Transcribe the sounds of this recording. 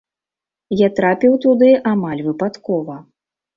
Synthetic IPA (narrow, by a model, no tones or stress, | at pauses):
jat̪ɾapʲiwt̪ud̪ɨʔamalʲvɨpat̪kɔvɐ